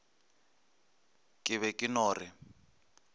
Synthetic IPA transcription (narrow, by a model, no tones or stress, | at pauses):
kʼɪβɛkʼɪnɔːri